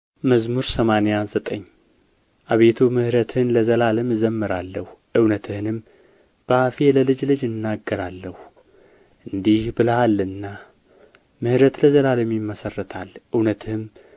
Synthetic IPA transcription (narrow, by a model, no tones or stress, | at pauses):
məzmuɾsəmanejazət̪ʼəɲː | ʔaβe̞t̪ʰumɨhɾət̪ʰɨhɨnləzəlalɨmzəmːɨɾalːəhuʔɨwnət̪ʰɨhɨnɨm | b̥əafeləlɨd͡ʒlɨd͡ʒɨnːaɡːəɾalːəhu | ʔɨnd̪ihbɨləalːɨnːa | mɨhɾət̪ləzəlalɨmjɪmːəsərːət̪ʰalʔɨwnət̪ʰɨhɨm